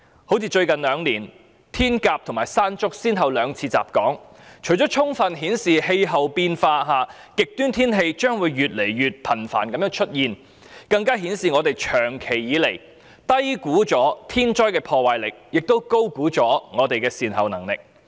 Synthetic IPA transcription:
ho˨˥wt͡sʰiː˨˧t͡ʃɵ˧ɥkɐ˨˩nlœː˨˧ŋliː˨˩n | t̪ʰiː˥nkaː˧p̚t̪ʰʊ˨˩ŋmaː˨˩jsaː˥nt͡sʊ˥k̚siː˥nɦɐ˨wlœː˨˧ŋt͡sʰiː˧t͡sa̰ː˨p̚kɔː˨˥ŋ | t͡ʃʰɵ˨˩ɥt͡ʃɔː˨˥t͡ʃʰʊ˥ŋfɐ˨nɦiː˨˥nsiː˨he˧jɦɐ˨wpiː˧nfaː˧ɦaː˨˧ | kɪ˨k̚t̪yː˥nt̪ʰiː˥nɦe˧jt͡ʃœː˥ŋwuː˨˧jɥyː˨t̚le˨˩jɥyː˨t̚pʰɐ˨˩nfa̰ː˨˩nkɐ˨˦mjœː˧˥ŋt͡ʃʰɵ˥t̚jiː˨n | kɐ˧ŋkaː˥ɦiː˨˥nsiː˨ŋɔː˨˧t̪e˨jt͡ʃʰœː˨˩ŋkʰe˨˩jːiː˨˧le˨˩j | t̪ɐ˥jkuː˨˥t͡sɔː˨˥t̪ʰiː˥nt͡ʃɔː˥jkɛː˧pʰɔː˧waː˨˩jlɪ˨˩k̚jɪ˨k̚t̪o˥wko˥wkuː˨˥t͡ʃɔː˨˥ŋɔː˨˧t̪e˨jkɛː˧siː˨˩nhɐ˨wnɐ˨˩ŋlɪ̰˨k̚

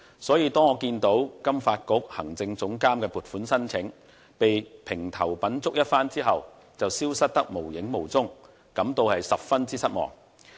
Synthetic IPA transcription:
sɔː˨˥jiː˧t̪ɔː˥ŋɔː˨˧kiː˧nt̪o˨˥wkɐ˥mfaː˧t̚kʊ˨˥k̚hɐ˨˩ŋt͡sɪ˧ŋt͡sʊ˨˥ŋkaː˥mkɛː˧puː˨˩tfuː˨˥nsɐ˥nt͡sʰɪ˨˥ŋ | pe˨jpʰɪ˨˩ŋt̪ʰɐ˨˩wpɐ˨˥nt͡sʊ˥k̚jɐ˥t̚faː˥nt͡siː˥ɦɐ˨w | t͡sɐ˨wsiː˥wsɐ˥t̚t̪ɐ˥k̚mo˨˩wjɪ˨˥ŋmo˨˩wt͡sʊ˥ŋ | kɐ˨˥mt̪o˧whɐ˨jsɐ˨p̚fɐ˥nt͡siː˥sɐ˥t̚mɔ̰ː˨˩ŋ

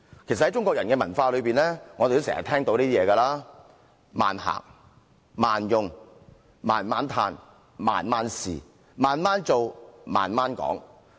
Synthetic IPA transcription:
kʰe˨˩sɐ˨thjt͡ʃʊ˥ŋkʷɔː˧kjɐ˨˩nkɛː˧mɐ˨˩nfaː˧lɵ˨˧ɥpiː˨nlɛː˥ŋɔː˨˧te˨t̪o˥sɛː˨˩ŋɐ̰˨t̪ʰɛː˥ŋt̪o˧˥wniː˥t̪iː˥jɛː˨˧kɐ˧laː˥ | ma̰ː˨nha̰ː˨˩k̚ | maː˨˩njʊ˨ŋ | maː˨˩nmaː˨˥nt̪ʰaː˧n | ma̰ː˨˩nmaː˧˥nsḭː˨ | maː˨nmaː˥nt͡so˨wma̰ː˨˩nmaː˥nkɔ̰ː˨˥ŋ

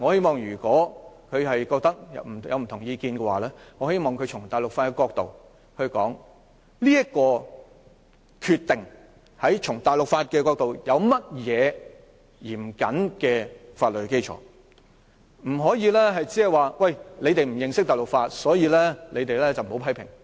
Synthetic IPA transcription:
ŋɔː˨˧he˥jmɔː˨˩ŋjyː˨˩kɔː˨˥kʰɵ˨˧ɦɐ˨jkɔː˧k̚t̪ɐ˥k̚jɐ̰˨m̩˨˩jɐ̰˨wm̩˨˩t̪ʰʊ˨˩ŋjiː˧kiː˧nkɛ˧waː˨˩lɛː˥ŋɔː˨˧he˥jmɔː˨˩ŋkʰɵ˨˧ɥt͡ʃʰʊ˨˩ŋt̪aː˨˩jlʊ˨k̚faː˧tkɛ˧kɔː˧k̚t̪o̰˨w | hɵ˧ɥkɔ̰ː˨˥ŋ | liː˥jɐ˥t̚kɔː˧ | kʰyː˧t̪ːɪ˨ŋ | hɐ˨˥jt͡ʃʰʊ˨˩ŋt̪aː˨jlʊ˨k̚faː˧t̚kɛː˧kɔː˧k̚t̪o˨wjɐ˨˧wmɐ˥t̚jɛː˨˧ | jiː˨˩m˨kɐ˨˥nkɛː˧faː˧t̚lɵ˨˩hke˥jt͡ʃʰɔ̰ː˨˥ | m̩˨˩ɦɔː˨˥jiː˧lɛː˥ɦɐ˨jt͡si˨˥hɐ˨˩jwaː˨wɐ˥˨jle˨˧jt̪e˨jm̩˨˩jɪ˨ŋsɪ˥k̚t̪aː˨˩lʊ˨˩k̚faː˧t̚sɔː˨˥jiː˧lɛː˥le˨˧jt̪e˨jlɛː˥t͡sɐ˨wm̩˨˩ho˨˥wpʰɐ˥jpʰɪ˨˩ŋ

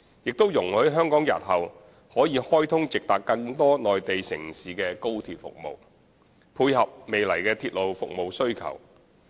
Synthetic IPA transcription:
jɪ˨k̚t̪o˥wjʊ˨˩ŋhɵ˨˥ɦœː˥ŋkɔː˨˥ŋjɐ̰˨˩t̚hɐ˨w | hɔː˨˥jiː˨˧hɔː˥jt̪ʰʊ˥ŋt͡sɪ˨k̚t̪aː˨kːɐ˧ŋt̪ɔː˥nɔː˨jt̪e˨jsɪ˨˩ŋsiː˨kɛː˧ko˥wt̪ʰiː˨˩t̚fʊ̰˨k̚mo̰˨w | pʰuː˧jhɐ˨p̚me˨jlɐ˨˩jkɛː˧t̪ʰiː˧t̚lo˨wfʊ˨k̚mo˨wsɵ˥ɥkʰɐ̰˨˩w

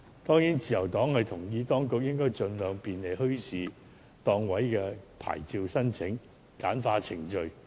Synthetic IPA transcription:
t̪ɔː˥ŋjiː˨˥nt͡sʰiː˨jɐ˨˩wt̪ɔː˨˥ŋhɐ˨jt̪ʰʊ˨˩ŋjiː˧t̪ɔː˥ŋkʊ˨k̚jɪ˥ŋkɔː˥jt͡ʃɵ˧nlœː˨ŋpiː˨nle˨˩jɦɵ˥ɥsiː˨˧ | t̪ɔː˧ŋwɐ˨˥jkɛː˧pʰa̰ː˨˩jt͡siː˧wsɐ˥nt͡sʰɪ˨˥ŋ | kaː˨˥nfaː˧t͡sʰɪ˨˩ŋt͡ʃɵ˨ɥ

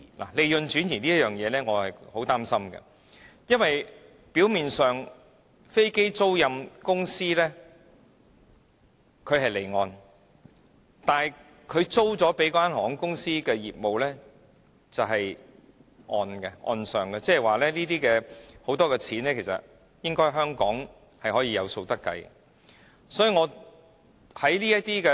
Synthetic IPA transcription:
lʔa̰˨˩le˨˧jɵ˨nt͡ʃyː˨˥njiː˨˩nliː˥jɐ˥jœː˨ŋjɛː˨˧lɛː˥ŋɔː˨˧hɐ˨jho˨˥wt̪aː˥msɐ˥mɡɛ̰˧ | jɐ˥nwɐ˨j | piː˨˥wmiː˨nsœː˨ŋ | fe˥jke˥jt͡so˥wjɐ˧mkʊ˥ŋsiː˥lɛː˥ | kʰɵ˨˧hɐ˨jle˨˩jŋɔː˧n | t̪aː˨j | kʰɵ˨˧ɥt͡so˥wt͡sɔː˨˥pe˨˥jkwaː˥nhɔː˨˥ŋkʊ˥ŋsiː˥kɛː˧jiː˨p̚mo˨wlɛː˥ | t͡sɐ˨wɦɐ˨j | ʔɔː˨nɡɛ˧ʔɔ̰ː˧nsœː˨˩ŋɡɛ˧t͡sɛː˥ɦɛ˨˩waː˨lɛː˥liː˥t̪iː˥kɛː˧ho˨˧˥wt̪ɔː˥kɛː˧t͡sʰiː˨˥nlɛː˥kʰe˨˩sɐ̰˨t̚ | jɪ˥ŋkɔː˥ɦœː˥ŋkɔː˨˥ŋ | hɐ˨jhɔː˨˥jiː˧jɐ˨˧wso˧wt̪ɐ˥kːɐ̰˧j | sɔː˨˥jiː˨˧ŋɔː˨˧ | hɐ˨˥jliː˥jɐ˥t̪iː˥kɛː˧

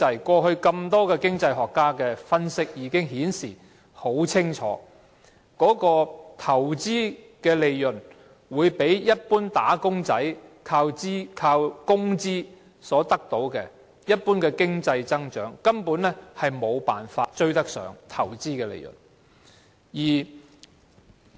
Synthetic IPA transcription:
ɐ˨˩jkʷɔː˧ɦɵ˧ɥkɐ˧mt̪ɔː˥kɛː˧kɪ˥ŋt͡sɐ˧jhɔː˨˩kːaː˥kɛː˧fɐ˥nsɪ˥k̚jiː˨˧˥kɪ˥ŋhiː˨˥nsiː˨˩ | ho˨˥wt͡sʰɪ˥ŋt͡ʃʰɔ̰ː˨˥ | kɔː˨˥kɔː˧t̪ʰɐ˨˩wt͡siː˥ | kɛː˧le˨jjɵ˨˩n | wuː˨˧jpe˨˥jjɐ˥t̚puː˥nt̪a̰ː˨˥kʊ˥ŋt͡sɐ˨˥jkʰaː˧wt͡siː˥kʰaː˧wkʊ˥ŋt͡siː˥ | sɔː˨˥t̪ɐ˥k̚t̪o˨˥wkɛː˧ | jɐ˥t̚puː˥nkɛː˧kɪ˥ŋt͡sɐ˧jt͡sɐ˥ŋt͡ʃœ̰ː˨˥ŋkɐ˥mpu˨˥nlɛː˥hɐ˨jmo˨˧wpaː˨˩nfaː˧t̚t͡ʃɵ˥ɥt̪ɐ˥k̚sœ̰ː˨˩ŋt̪ʰɐ˨˩wt͡siː˥kɛː˧lḛ˨˩jɵ̰˨˩n | jiː˨˩

